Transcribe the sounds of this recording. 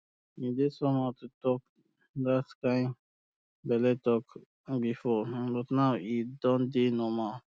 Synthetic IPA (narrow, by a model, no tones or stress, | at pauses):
midesɔmɔtutɔk | daskãɪ̃m | bɛlɛtɔk | bifɔbʌtnaʊidɔ̃ndenɔmal